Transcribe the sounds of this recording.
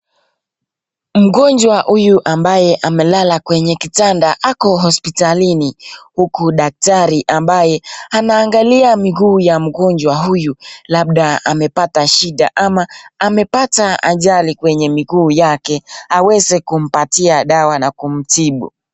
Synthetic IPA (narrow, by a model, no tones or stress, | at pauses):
m̩ɡɔɲd͡ʒwahujuʔambajɛʔamɛlalakwɛɲɛkitandaʔakɔɦɔspitalinihukuɗak̚taɾiʔambajɛanaːŋɡaliamiɡuːjam̩ɡɔɲd͡ʒwaɦujulaɓɗaamɛpataʃiɗa̰ʔamaːmɛpataa̰ʄalikwɛɲɛmiɡuːjakɛawɛzɛkum̩patiaɗawanakum̩tiɓṵ